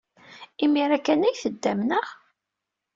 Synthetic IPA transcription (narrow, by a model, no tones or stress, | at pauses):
imiɾækːænæjθəd̪ːæmnəʁ